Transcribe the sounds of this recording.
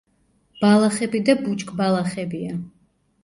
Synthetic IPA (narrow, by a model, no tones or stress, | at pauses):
b̥alˠaχɛbid̪abut͡ʃʼkʼbalˠaχɛbia